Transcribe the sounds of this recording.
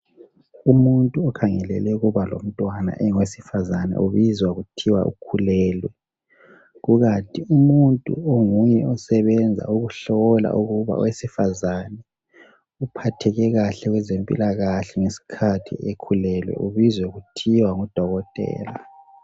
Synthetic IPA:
umuntʼuɔkʰaŋɛlɛ̰lɛuɣuβalo̰m̩tʼwana̰ʔɛŋwesifazanɛ̰ʔuβizwaɣutʰiwa̰ʔṵkʰulɛːlwɛ | ɣuɣatʼiumuntʼṵoŋujɛɔsɛβɛnd͡zʱa̰uɣuɬɔla̰ʔuɣuβa̰wesifazanɛ | upʰatʰɛɣɛɣaɬɛɣwɛzempʼḭlaɣaɬɛŋesi̥kʰatʰḭekʰulɛlwɛ̰ʔuβizwɛɣutʰiwaŋud̥ʱɔɣɔtʼɛ̰ːla

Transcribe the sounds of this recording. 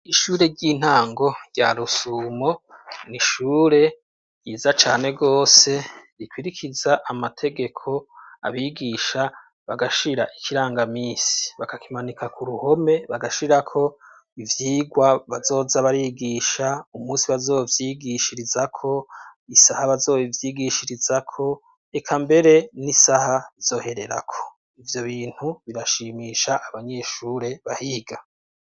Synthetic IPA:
iʃuːɾe̞ɾɟin̥haːŋɡo̞ɾɟa̰ɾusuːmoniʃuːɾe̞ | jiːzat͡ʃaːne̞ɡo̞ːse̞ɾikwiɾikʰizaʔamatʰe̞ɡe̞kʰo̞a̰βiɡiʃa | βaɡaʃiɾaʔikʰiɾaːŋɡamiːsi̥βakakimanikakuɾuho̞me̞βaɡaʃiɾakʰo̞ | ivjiːɡwaβazo̞ːzaβaɾiɡiːʃaumuːsiβazo̞ːvjiɡiʃiɾizakʰo̞isahaβazo̞ːivjiːɡiʃiɾizakʰo̞ | ekʰambe̞ɾe̞nisahaβiz̥o̞ːhe̞ɾe̞ɾa̰kʰo̞̥ | ivjo̞βiːn̥huβiɾaʃiːmiːʃaʔːβaɲe̞ʃuːɾe̞βahiɡa

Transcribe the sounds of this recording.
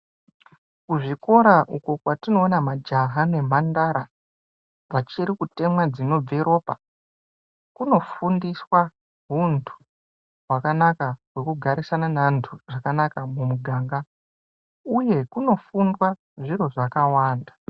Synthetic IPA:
kuʐiko̞ɾaʔukokwatino̞ːnamad͡ʒaɦane̞m̤andaɾa | vat͡ʃiɾikute̞mwad͡zino̞b͡veɾo̞ːpa | kuno̞fundiswa | ɦuntʰu̥ | wakanakaɦwe̞kuɡʱaɾisananantʰuʐ̥akanakamumuɡʱaːŋɡa | uje̞kuno̞fundwa | ʐiɾo̞ʐakawaːnda

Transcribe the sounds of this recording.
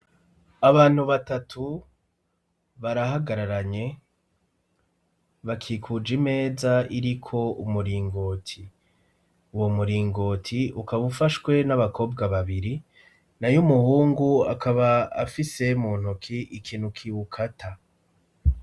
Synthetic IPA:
aβaːn̥huβatatʰu | βaɾaɦaɡaɾaɾaɲe̞ | βakʰiːkʰud͡ʒime̞ːzaiɾikʰo̞umuɾiːŋɡo̞tʰi | uwomuɾiːŋɡo̞ːtʰiukaβufaʃwe̞naβakʰo̞ːbɡaβaβiɾi | najumuhuːŋɡua̰kʰaβaːfise̞muːn̥ukʰiʔikʰiːnhukʰiwukʰatʰa

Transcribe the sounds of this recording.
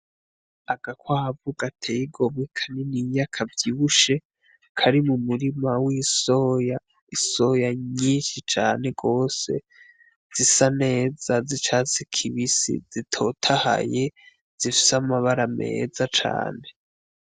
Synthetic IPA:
aɡ̥akwavuɡatʰejiɡo̞mwikʰaninijakʰavjiβuʃe̞ | kʰaɾimumuɾimawisoja | isojaɲiːnʃit͡ʃaːne̞ɡo̞ːse̞̰ | z̥isane̞ːz̥azit͡ʃazikʰiβisḭzitʰo̞tʰaha̰je | z̥ifi̥samaβaɾame̞̰ːzat͡ʃa̰ːne̞

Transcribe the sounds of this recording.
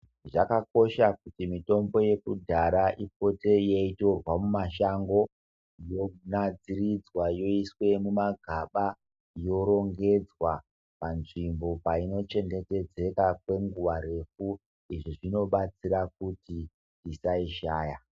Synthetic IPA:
ʐakako̞ʃakutimito̞mbo̞je̞kudʱaɾaʔip̚o̞te̞jeito̞rwamumaʃaŋɡo̞ | jonad͡zirid͡zwajo̞iswe̞mumaɡʱaɓa | jo̞ɾo̞ŋɡe̞d͡zwa | panʐimbo̞paino̞t͡ʃe̞ŋde̞te̞d͡ze̞kakwe̞ŋɡuʋaɾe̞fu | iʐiʐino̞ɓat͡siɾak̚uti | tisaiʃaːja

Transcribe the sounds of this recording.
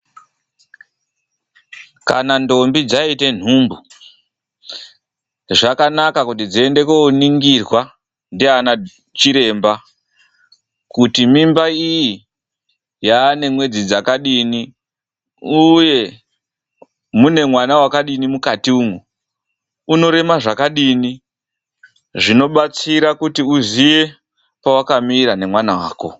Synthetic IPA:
ka̰nando̞mbid͡zaite̞n̤uːmbu | ʐakanakakut̬id͡ziende̞kouniŋɡirwa | ndeana | t͡ʃiɾe̞mba | kutimimbaiji | jaːne̞mwe̞d͡zid͡zakaɗini | uje̞ | mune̞mwanawakaɗinimukatiuːŋu | uno̞ɾe̞maʐakaɗiːni | ʐino̞ɓat͡siɾakutiuzije̞ | pawakamiːɾane̞mwanawa̰ːko̰

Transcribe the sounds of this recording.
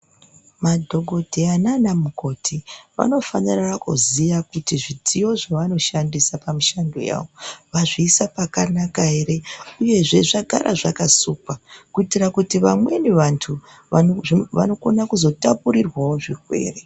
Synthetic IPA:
madʱo̞ɡʱo̞dʱeananamuko̞tʰiʋa̰no̞fanirakṵzijakutiʐid͡zijo̞ʐaʋano̞ʃandisapamiʃando̞̰ja̰ːwoʋaʐiːsapakanakaɦe̞ɾe̞uje̞ʐe̞ʐaɡʱaɾʔa̰ʐakasuːpakuitirakutiʋamwe̞neʋantʰu | aʋa̰no̞ko̞nakuzo̞tapuɾirwawoʐirwe̞̰ːre

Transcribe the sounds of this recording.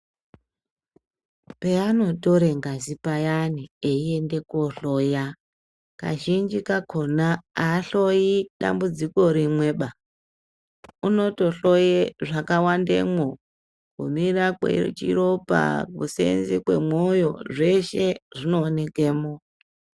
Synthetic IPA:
peano̞toɾeŋɡazipajanieie̞nde̞koɬoja | ka̰ʒind͡ʒikakʰo̞naːɬojiɗa̰mbud͡ziko̞ɾimwe̞ːɓa | uno̞to̞ɬo̞jeʐakawandḛmo | kṵmirakḛt͡ʃḭɾo̞pa̰kusḛnzikwe̞̰mojo̞̰ʐe̞ʃeʐino̞ːne̞keːmo

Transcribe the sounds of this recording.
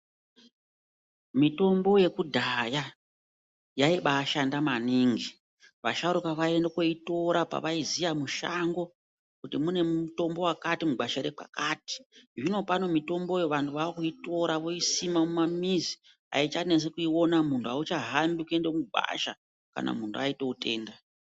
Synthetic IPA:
mito̞mbo̞je̞kudʱaja | jaiɓaːʃandamaniŋɡi | ʋa̰ʃaɾukaʋae̞ndakoito̞ɾapa̰ʋaizijamuʃaŋɡo̞ | kutimune̞muto̞mbo̞wakatimuɡ͡baʃaɾek͡pa̰kati̥ʐino̞pano̞mito̞mbo̞jeʋantʰuʋaokuito̞ɾaʋo̞isimamumamizi̥ | a̰it͡ʃanes̬ekuio̞namuntʰuaut͡ʃaɦambikue̞ndemuba̰ʃa | ka̰nʔa̰muntʰuaite̞ute̞ːnda

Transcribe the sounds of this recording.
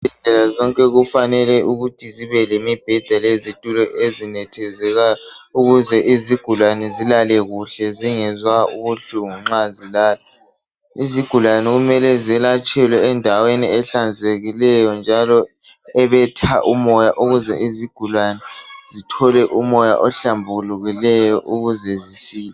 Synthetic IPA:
ɛɮɛlazɔŋkʼɛɣufanɛlɛʔuɣutʰiziβɛlemib̥ʱɛd̥ʱalezitʼulɔʔezinɛtʰɛzɛɣa | uɣuzɛʔiziɡ̥ʱulwanɛzilalɛɣuɬɛziŋɛzwaṵβuɬuŋuŋ͡ǁazilaːla | iziɡ̥ʱulwanɛɣumɛlɛzɛlat͡ʃʼɛlwɛːndʱaweniɛɬand͡zʱeɣilɛjɔnd͡ʒʱalɔ | ɛβɛtʰaʔumɔjaʔuɣuzɛ̰ʔiziɡ̥ʱulwanɛz̥itʰɔlɛʔumɔja̰ʔɔɬambʱuluɣilɛjɔʔuɣuzɛzisiːlɛ

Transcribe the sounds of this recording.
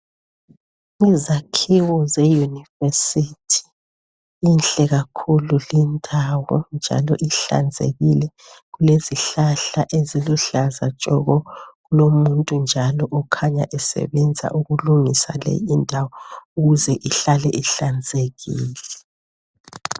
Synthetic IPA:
ŋizakʰiwɔzɛjunivesitʰi̥ | inɬɛɣakʰululindʱawɔnd͡ʒʱa̰lɔ̰ʔiɬa̰nd͡zʱḛɣilɛ | ɣuleziɬaɬaʔeziluɬazat͡ʃʼɔɣɔɣulomuntʼund͡ʒʱalɔʔɔkʰaɲa̰ʔɛsɛ̰βɛnd͡zʱa̰ʔuɣuluŋisa̰lɛ̰jindʱawɔuɣuzɛʔiɬalɛʔiɬand͡zʱeɣiːlɛ

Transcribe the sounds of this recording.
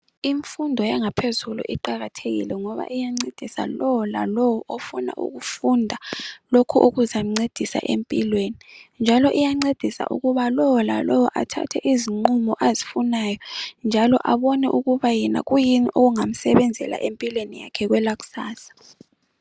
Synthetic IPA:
iɱfundʱɔjaŋapʰezulṵʔiǃaɣatʰeɣḭlɛŋɔβa̰ʔijaŋ͡ǀed̥ʱisa̰lɔwɔla̰lɔwɔʔofuna̰ʔṵɣufundʱalokʰuʔoɣuzam̩ŋ͡ǀed̥ʱisa̰ʔempʼilwenind͡ʒʱalɔʔijaŋ͡ǀed̥ʱisa̰ʔṵɣuβalɔwla̰lɔwɔʔatʰa̰tʰɛʔiziŋ͡ǃumɔʔazifunaːjɔnd͡ʒʱalɔʔaβɔnɛʔuɣuβajɛna̰ɣujiniʔoɣuŋam̩sɛβɛnd͡zʱɛla̰ʔempʼilwenijakʰɛɣwɛlaɣu̥saːsḁ

